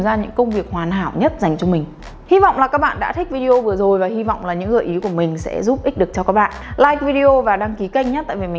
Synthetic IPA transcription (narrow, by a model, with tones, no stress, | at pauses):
zaː˧ɲɨ̰˧˥ŋkə˧wŋ͡mvi˨˩ək̚hwaː˨˩nɦa̰ː˧˨wɲə˦˥t̚za˨˩jŋ̟t͡ɕɔ˧mï˨˩ŋ̟ | hi˧vɔ̰˧˨wŋ͡mlaː˨˩kaː˦˥k̚ɓa̰ː˧˨nɗa̰ː˧˥t̪ʰï˦˥k̟̚vi˧ɗi˧ʔo˧vɨ˨˩əzo˨˩jvaː˨˩hi˧vɔ̰˧˨wŋ͡mlaː˨˩ɲɨ̰˧˥ɣəː˨˩jʔi˨˦ku˧˩əmï˨˩ŋ̟sɛ̰˧˥zu˦˥p̚ʔi˦˥k̟̚ɗɨ˨˩ək̚t͡ɕɔ˧kaː˦˥k̚ɓa̰ː˧˨nlaː˧˩jk̚vi˧ɗi˧o˧vaː˨˩ɗaː˧ŋki˨˦ka˧jŋ̟ɲaː˦t̪a̰ː˧˨jvi˨˩mi˨˩